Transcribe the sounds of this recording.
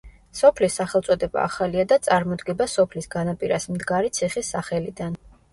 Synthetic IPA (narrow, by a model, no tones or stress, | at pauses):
sɔpʰlisːaχɛlˠt̪sʼɔd̪ɛba̰ːχaliad̪at̪sʼaɾmɔd̪ɡɛbasɔpʰlisɡanapʼiɾasmd̪ɡaɾit̪sʰiχisːaχɛlid̪an